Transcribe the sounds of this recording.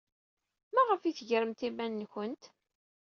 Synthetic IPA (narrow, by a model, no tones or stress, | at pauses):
mæʁəfiθʝəɾəmt̪imænːçənt̪